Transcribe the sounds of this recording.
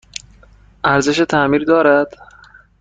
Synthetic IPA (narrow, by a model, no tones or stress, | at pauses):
ʔæɾze̞ʃ̬et̪ʰæmiːɾd̪ɒːɾæd̪̥